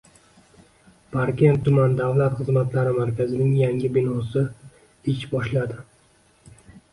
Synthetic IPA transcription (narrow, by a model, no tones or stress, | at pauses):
pʰaɾkʲʰe̞nt̪ʰːʊmand̪avlat̪χɨzmat̪laɾɪmaɾkʲʰazɪnɪŋjaŋɡʲɪbɪnɒsɪ | ɪt͡ʃbɒʃlad̪ɪ